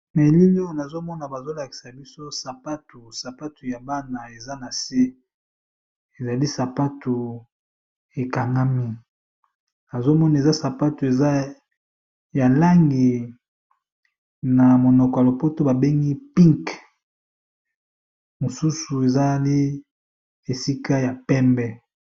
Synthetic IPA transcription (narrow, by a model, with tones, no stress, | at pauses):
ne˨li˦lo˦˨na˨zo˦mɔ˦na˨ba˨zo˦la˨ki̥˨sa˨bi˦so˦sa˨pa˦tu˨sa˨pa˦tu˨ja˨ba˦na˨e˨za˦na˨se˦ | e˨za˨li˦sa˨pa˦tu˨ | e˨ka˨ŋɡa˦mi˦ | na˨zo˦mɔ˦na˨e˨za˦sa˨pa˦tu˨e˨za˦ | ja˨la˦ŋɡi˨ | na˨mo˨nɔ˨kɔ˨ja˨lo˨po˦to˦ba˨be˦ŋɡi˦pi˦ŋk | mo˨su˦su˨e˨za˦li˦ | e˨si˦ka˦ja˨pɛ˦mbɛ˦